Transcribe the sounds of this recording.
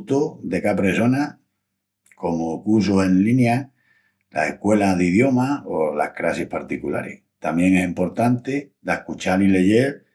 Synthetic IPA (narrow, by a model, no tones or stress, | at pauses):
t̪oðe̞kapɾe̞so̞na | ko̞mokuɾs̬ose̞nlinja | la̰sehkwe̞laðið̞jo̞maola̰hkɾasihpaɾt̪ikula̰ɾḛh | t̪amje̞ŋesimpo̞ɾt̪ant̪ed̪aehkut͡ʃalile̞ʝe̞ɾ